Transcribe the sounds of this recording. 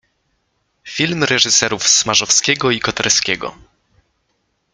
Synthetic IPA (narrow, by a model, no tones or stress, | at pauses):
fʲilmɾɛʐɘsɛɾufsmaʐɔfskʲɛɡɔikɔt̪ɛɾskʲɛɡɔ̰